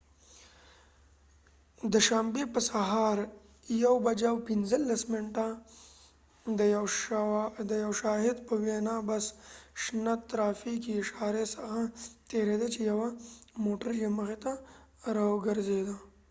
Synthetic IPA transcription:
d̪əʃambepəsaɦaːɾ | jawbɐd͡ʒawpɪnzəlːɐsmɪɳʈa | d̪əjɐwʃaːɦɪd̪pəwenabɐsʃnat̪t̪ːɾaːfikiːʃaːɾesɐxat̪eɾed̪at͡ʃejɐwamoːʈəɾd͡ʒeməxet̪a | ɾawɡəɾzed̪a

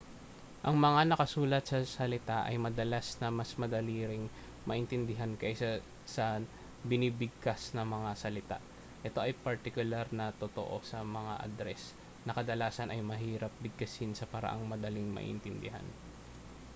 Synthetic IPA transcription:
ʔɐŋmɐŋanɐkɐsuːlɐt̪̚sɐsɐlɪt̪aʔɐ̰jmɐd̪ɐlasnɐmɐsmɐd̪ɐliːɾɪŋ | mɐʔɪnt̪ɪnd̪ɪɦankɐʔsɐ | sɐ | bɪniːbɪɡ̚kasnɐŋmɐŋasɐlɪt̪a̰ | ʔɛt̪o̞ʔɐjpɐɾt̪ɪkʊlaɾnɐt̪ot̪oʔo̞̰sɐmɐŋa̰ʔɐ̰d̪ɾɛs | nɐkɐd̪ɐlaːsɐnʔɐjmɐɦiːɾɐp̚bɪɡ̚kɐsɪnsɐpɐɾɐ̰ʔa̰ŋmɐd̪ɐlɪŋmɐ̰ʔɪ̰nt̪ɪnd̪ɪɦa̰n

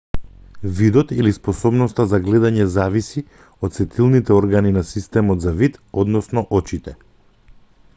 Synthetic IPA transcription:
vid̪ɔt̪ilispɔsɔbnɔst̪azaɡlɛd̪aɲɛzavisi | ɔt̪sɛt̪ʰilˠnit̪ɛɔɾɡaninasist̪ɛmɔt̪zavit̪ɔd̪nɔsnɔʔɔt͡ʃit̪ɛ

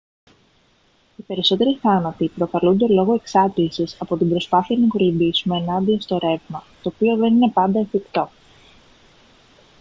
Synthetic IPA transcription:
ipe̞ɾiso̞t̪e̞ɾiθɐnɐt̪ipɾo̞kɐlund̪e̞lo̞ɣo̞e̞ksɐt̪ilsisɐpo̞t̪imbɾo̞spɐθiɐnɐikolimbisume̞ːnɐnd̪iost̪o̞ɾe̞vmɐt̪o̞ːpio̞ðe̞nine̞pɐnd̪ɐefikt̪o̞

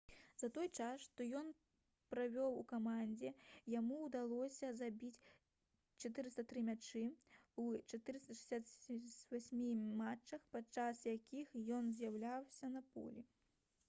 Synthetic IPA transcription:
zɐt̪ɔjt͡ʂasʂt̪ɔjɔn | pɾavʲɔwukamanʲd͡zʲɛjamuːd̪alˠɔsʲɐzabʲit͡sʲ | t͡ʂat̪ɨɾɨst̪ɐt̪ɾɨmʲat͡ʂɨwt͡ʂat̪ɨɾɨst̪ɐʂɨ̥sʲat̪vasʲmʲimat͡ʂːɐxpat͡ʂasjakʲʰixjɔnzʲjawlʲawsʲɐnɐpɔ̰lʲi

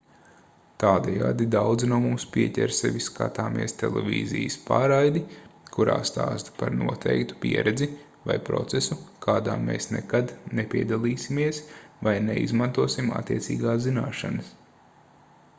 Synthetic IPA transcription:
t̪aːd̪ɛja̰ːd̪id̪awd̪znuɔmumspʲiɛcʲɛɾsɛʋʲiska̰t̪aːmʔiɛst̪ɛlˠɛvʲḭːzḭjspa̰ːɾajd̪ikʰuɾa̰ːst̪a̰ːst̪paɾnuɔt̪ʰɛjkt̪u̥pʲiɛɾɛd̪zi | vajpɾɔ̰t̪sesukʰaːd̪aːmḛːsnɛkad̪nepʲiɛd̪alˠiːsimiɛsvajnɛḭzmant̪uɔsima̰t̪ːiɛt̪sḭːɡaːszinaːʃanəs

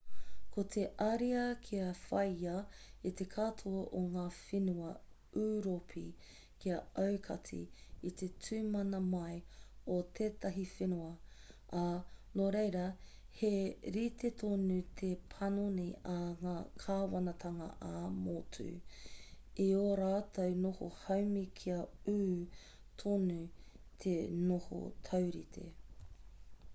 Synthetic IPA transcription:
kʰot̪ʰe̞ʔɐɾiɐkʰiɐfɐjɐit̪e̞kʰatʰoɐʔoŋaːfenuɐ | ʉːɾopʰḭ | kiɐɐwkʰɐtʰḭːt̪ʰe̞tʰʉːmɐnɐmɐjot̪ʰeːt̪ɐɦifenuɐ | anoɾejɾɐ | heɾit̪et̪ʰonut̪ʰepʰɐnoniɐŋaːkʰaːwɐnɐt̪ʰɐŋɐ̰ʔamotʰʉ̰ː | ioɾaːtʰɐwnoho̰hɐwmikʰiɐʉː | tʰonu | t̪ʰenoho̰t̪ʰɐwɾit̪ʰḛ

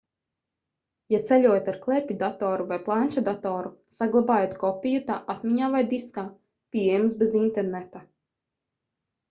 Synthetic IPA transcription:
jat̪sɛʎʲuɔjt̪ʲaɾklˠɛpʲid̪at̪ɔːɾuvajplˠant͡ʃad̪at̪ɔːɾusaɡlˠabaːjot̪kɔpʲijut̪aːʔat̪mʲiɲaːvajd̪iskaː | pʲiejɛmsbezint̪eɾnet̪a

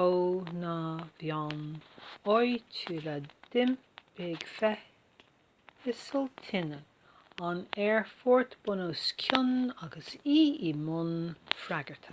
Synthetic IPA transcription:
ownavjanɔjtʰuːlad̪̥ɪm | b̥eːɡfɛ | ɪsəlt̪ʰɪnə | anɛɹfɔɹt̪b̥ʊnoskʰʊnaɡəsiːimʊnfɾaɡəɹt̪ʰə̥

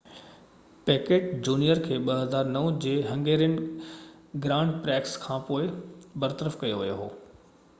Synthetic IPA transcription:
pɛːkeːʈd͡ʑuːnijəɾkʰeːɓɐɦɐzaːɾnɐʋd͡ʑeːɦɐ̃ŋɡeːɾənɪ̆ | ɡɾãːɳɖpɾɛːkskʰãːpoːɪbɐɾt̪əɾəfkɐjoʋijoɦoː

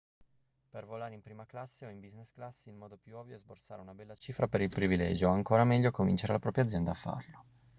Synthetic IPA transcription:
pervolaːɾeimpɾiːmaklasːeɔimbiznesklasːeilmɔːd̪opjuɔvjoɛzborsaːɾeunabɛlːat͡ʃiːfɾapeɾilpɾivilɛ̰ːd͡ʒoaŋkoːɾamɛʎːokomḭnt͡ʃeɾḛlapɾɔːpɾjad̪zjɛnd̪aːfːa̰rlo

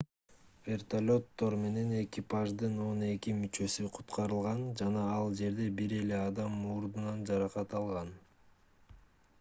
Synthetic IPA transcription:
vʲe̞rt̪alʲo̞t̪ːo̞ɾme̞ne̞ne̞kʲipaʒd̪ɯno̞ne̞kimyt͡ʃø̞syqʰu̥t̪qʰɑɾɯlˠʁɑnd͡ʒɑnɑɑlˠd͡ʒe̞ɾd̪e̞biɾe̞le̞ɑd̪ɑmːuɾd̪unɑnd͡ʒɑɾɑqɑt̪ɑlˠʁɑn

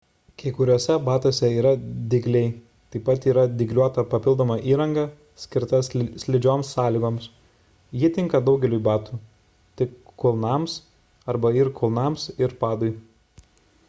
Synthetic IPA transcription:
kɐɪkʊɾʲoːsʲɛbɑːt̪oːsʲɛiːɾɐd̪ʲɪɡlʲɛɪ | t̪ɐɪpːɐt̪iːɾɐd̪ʲɪɡlʲuɔt̪ɐpɐpʲɪlˠd̪oːmɑʔiːɾɐŋɡɑ | sʲkʲɪɾt̪ɐssʲlʲɪd͡ʒʲoːmsːɑːlʲiːɡoːms | jɪt̪ʲɪŋkɐd̪ɒʊɡʲɛlʲujbɑːt̪uː | t̪ʲɪkːʊlˠnɑˑms | ɐɾbɐɪɾkʰʊlˠnɑːˑmsɪɾpɑːd̪ɔɪ

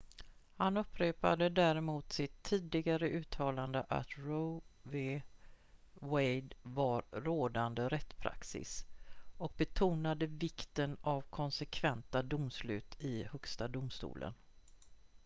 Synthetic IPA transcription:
hanɵpʰːɾeːpa̰d̪əd̪æɾɛmuːt̪sɪt̪ʰːiːd̪ɪɡaɾəʔʉ̟ːt̪ʰɑːland̪əʔa̰t̪ɾɔve | wɛjd̪vaɾːoːd̪and̪əɾɛt̪ːpʰɾa̰ksɪ̰sɔk̚bɛt̪ʰuːnad̪əvɪkt̪ənavkʰɔnsɛkʰvɛnt̪ad̪ʊmslʉ̟̰ːt̪ʰɪhɵkst̪ad̪ʊmst̪ṵːlʔə̰n

